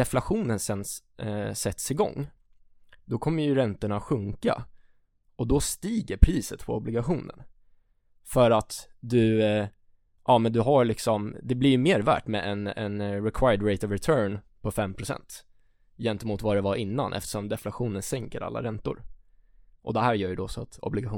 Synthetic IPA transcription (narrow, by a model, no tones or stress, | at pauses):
ɛflaɧuːnənsɛn | sɛt̪sɪɡɔ̰ŋː | d̪ɔkʰɔmːəjɵɾɛnt̪əɳaɧɵŋka̰ | ɔd̪ɔst̪iːɡəɾpʰɾiːsət̪pʰɔ̰ɔblɪɡaɧuːnə̰n | fœɾat̪d̪ɵ | ʔɑːmɛnd̪ɵɦalɪksɔmd̪ɛblɪɾjɵmeːɾvæ̰ːʈmɛ̰ɛnɛnɾɛkʰwajəɖɾeɪt̪ɔvɾɛt̪ʰœːɳ | pʰɔfɛmːpʰɾʊsɛ̰nt̪ | jɛnt̪əɛmuːt̪vaɖɛvaʔɪnːa̰nʔɛ̰ft̪ə̥ʂɔmd̪ɛflaɧuːnənsɛŋkəɾa̰lːa̰ɾɛnt̪ʊ̰ɾ | ʔɔ̰d̪ɛhæːɾjœːɾjəd̪ɔsɔat̪ɔ̰blɪɡaxuː